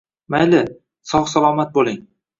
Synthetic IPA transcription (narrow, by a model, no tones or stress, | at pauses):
majlɪ | sɒχsalˠɒmat̪̚bolˠɪŋ